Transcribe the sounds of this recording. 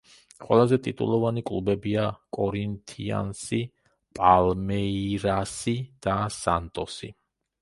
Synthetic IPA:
qʼwɛ̰lˠazɛt̪ʼit̪ʼṵlˠɔvanikʼlˠubɛbiakʼɔɾint̪ʰia̰nsi | pʼalmɛiɾasid̪̥asant̪ʼɔsḭ

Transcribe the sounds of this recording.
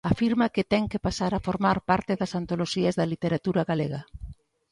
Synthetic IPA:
afiɾmɐkɪt̪ɛŋkɪpasaɾafoɾmaɾpaɾt̪ɪðɐsant̪oloʃiɐzðɐlit̪eɾat̪uɾɐɣalḛɣɐ

